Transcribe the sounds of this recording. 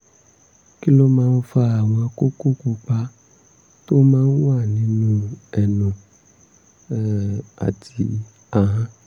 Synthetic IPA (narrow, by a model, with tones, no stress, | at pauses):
ki˦lo˦mãː˦˧n̩˦fa˦a˨w̃ɔ̃˧ko˦ku˦ku˧k͡pa˧ | to˦mãː˦n̩˦wa˦˨nĩ˨˦nũ˦ɛ˨nũ˨˦ | a̰˨tʰi˧˦ | a˨ɦã˦